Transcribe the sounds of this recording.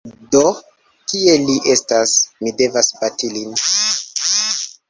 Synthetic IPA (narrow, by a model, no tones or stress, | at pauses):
do | kie̞liʔe̞stasmide̞vasbatilin